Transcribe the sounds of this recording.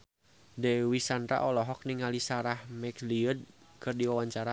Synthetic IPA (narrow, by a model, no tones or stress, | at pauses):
dɛwisanra̰ʔɔlɔɦɔk̚niŋalisaɾahmɛkliəd̚kʰɨrdiwawaɲt͡ʃaɾa